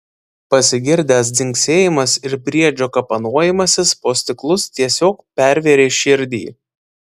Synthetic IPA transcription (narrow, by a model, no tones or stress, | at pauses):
pɐsʲɪɡʲɪɾʲd̪ʲæs̬d̪ʲɪŋʲksʲeːjɪmɐsɪɾpʲɾʲiɛd͡ʒʲoːkɐpɐnuɔjɪmɐsʲɪspoːsʲt̪ʲɪklˠʊst̪ʲiɛsʲoːkpʲæɾʲʋʲeːɾʲeːʃʲɪɾʲd̪ʲḭː